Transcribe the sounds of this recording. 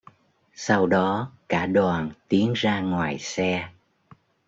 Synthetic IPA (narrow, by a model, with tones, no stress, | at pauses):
sa˧wɗɔ˨˦kaː˧˩ɗwaː˨˩nt̪i˨˦ənzaː˧ŋwaː˨˩jsɛ˧